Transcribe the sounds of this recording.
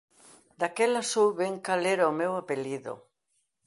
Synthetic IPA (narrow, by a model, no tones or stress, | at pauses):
d̪akelasuɾβeŋkaleɾaomewapeliðo̰